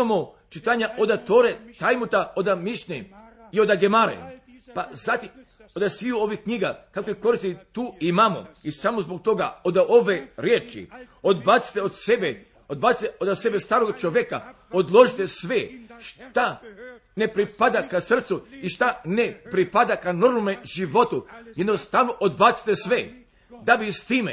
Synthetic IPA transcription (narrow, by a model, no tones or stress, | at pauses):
amo | t͡ʃit̪aɲaʔo̞d̪at̪o̞ːɾet̪ajmut̪aod̪amiʃɲeio̞d̪aɡemaɾḛ | pazat̪im | od̪asʋiuo̞ʋihkɲiɡakakojeko̞ɾist̪it̪uːimamo̰isamozbo̞k̚t̪o̞ɡaod̪ao̞ʋe̞ɾjeːt͡ʃḭod̪bat̪si̥t̪eod̪sebe | od̪bat̪i̥t̪eʔod̪ase̞best̪aːɾoɡt͡ʃoʋjeka | od̪lˠo̞ʒit̪esʋeʃt̪anepɾipad̪akasr̩t̪suiʃt̪anepɾipad̪akano̞ɾmomeʒiʋo̞t̪ujed̪nost̪aʋnoʔod̪bat̪si̥t̪esʋe | d̪abist̪iːme